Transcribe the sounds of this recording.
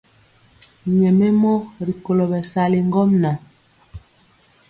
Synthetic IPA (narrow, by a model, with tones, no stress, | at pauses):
ɲɛ˨me˦mɔ˦ɾi˨ko˨lo˨bɛ˨sa˨li˨ŋ˦ɡɔ˦mna˨